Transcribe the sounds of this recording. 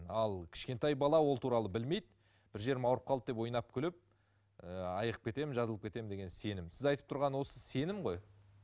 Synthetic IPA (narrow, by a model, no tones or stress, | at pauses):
ɑlˠkʲʰɪ̥ʃkʲe̞nt̪ɑjbɑlˠɑwo̞lˠt̪ʰuɾɑlˠəbɪlme̞jd̪ɪ | b̥ɪɾʒe̞ɾmɑwɾəp̚qʰɑlˠəp̚d̪e̞pwo̞jnɑp̚kʲʰʏlɪp̚ | əɑ̰jəʁəp̚kʲe̞t̪e̞mɪnʒɑzəlˠəpkʲet̪e̞mɪnd̪e̞ɡʲe̞nse̞nɪmsɪzɑjt̪əp̚t̪ʰʊɾʁɑnwo̞səse̞nɪmʁoj